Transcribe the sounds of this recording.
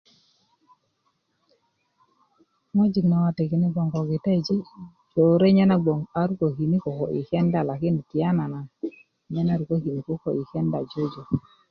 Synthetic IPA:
mɔ˦d͡ʒi˨knɔ˨wa˨te˨ki˨ni˦ɡɔ˨ŋɡɔ˨ɡi˨ta˦i˨d͡ʒi˦ | d͡ʒo˨ɾe˦ɲɛ˦na˦ɡ͡bɔ˨ŋa˦ɾu˦ko˨ki˨ni˦kɔ˨kɔ˨ʔḭ˨kɛ˦nda˨la˨kɪ˦n˨ki˨a˦na˨na˨ | ɲɛ˦na˦˨ɾu˨ko˦ki˨ni˨ko˦kɔ˨i˨kɛ˦nda˨d͡ʒo˦d͡ʒo˨

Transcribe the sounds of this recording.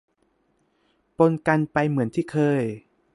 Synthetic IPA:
po˧nka˧npa˧jmɯ˩˦ənt̪ʰiː˥˩kʰɤː˧j

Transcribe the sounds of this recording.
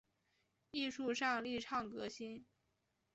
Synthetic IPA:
i˥˧ʂu˥˧ʂɑ˥˧ŋli˥˧ʈ͡ʂʰɑ˥˩ŋkɤ˧˥ɕi˥n

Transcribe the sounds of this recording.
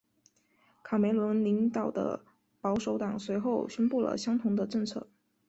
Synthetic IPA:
kʰɑ˨˩me˧˥ɪlwə˧˥nli˧˥ŋt̪ɑ˨˩ʊd̪ə̰˦ | pɑ˧˥ʊʂo˧˥ʊt̪ɑ˨˩ŋswe˧˥ɪxo˥˩ʊɕɥɛ˥npu˥˩lə̰˩ɕjɑ˥ŋt̪ʰʊ˧˥ŋd̪ə˧ʈ͡ʂɤ˥˧ŋt͡sʰɤ̰˥˩

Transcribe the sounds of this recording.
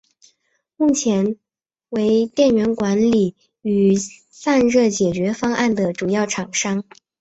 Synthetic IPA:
mu˥˩t͡ɕʰjɛ˧˥n | we˧˥ɪt̪jɛ˥˩nɥɛ˧˥nkwa˧˥nli˨˩ | y˨˩ | sa˥˧nɻɤ˥˩t͡ɕjɛ˨˩t͡ɕɥɛ˧˥fɑ˥ŋʔa˥˩nd̪ə˩ʈ͡ʂu˨˩jɑ˥˩ʊʈ͡ʂʰɑ˨˩ŋʂɑ˥ŋ

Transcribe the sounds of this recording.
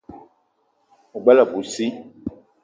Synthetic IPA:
u˨ɡ͡bɛ˦la˨bu˨si˦

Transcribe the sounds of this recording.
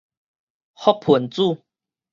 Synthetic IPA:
hɔ˦˥k̚pʰu˨˩˦nt͡su˥˨

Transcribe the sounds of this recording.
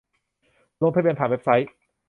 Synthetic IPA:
lo˧ŋpʰa˥˧bi˧npʰaː˨˩we˦˥p̚sa˦˥j

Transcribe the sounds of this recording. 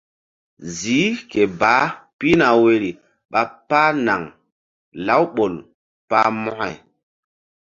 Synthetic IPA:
ziː˨˦ke˨baː˨˦pi˦na˨we˨ɾi˨ | ɓa˨paː˦na˨ŋ | la˨˦wɓo˨l | pa̰˦mɔ˦ha̰˨j

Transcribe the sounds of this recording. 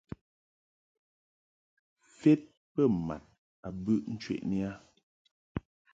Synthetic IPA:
fe˦t̚ | pɛ˦˨ma̰˨t̚ | a˨bʉ˦ʔn̩˦t͡ʃɥḛ˦˨ʔni˦a˦

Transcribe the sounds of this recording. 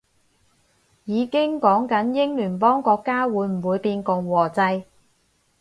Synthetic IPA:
jiː˨˧kɪ˥ŋkɔː˨˥ŋkɐ˨˥njɪ˥ŋlyː˨˩npɔː˥ŋkɔː˧kːaː˥wuː˨˧˥jm̩˨˩wuː˨˧jpiː˧nkʊ˨ŋwɔː˨˩t͡sɐ˧j

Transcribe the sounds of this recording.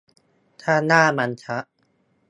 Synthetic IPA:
t̪ʰaː˥˩naː˥˩ma˧nt͡ɕʰa˦˥ʔ

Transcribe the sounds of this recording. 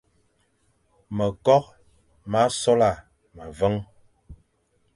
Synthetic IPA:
mə˨kɔ˦k̚ | ma˦sɔ˦la˨ | ma˨və˦ŋ

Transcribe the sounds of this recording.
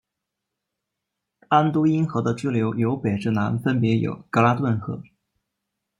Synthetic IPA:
a˥nt̪u˥i˥nxɤ˧˥d̪ə˧t͡ɕu˥ljo˧˥ʊjo˧˥ʊpe˨˩ʈ͡ʂɻ̩˥˩na˧˥nfə˥npjɛ˧˥jo̰˨˩ʊkɤ˧˥la˥t̪wə˥˧nxɤ̰˧˥

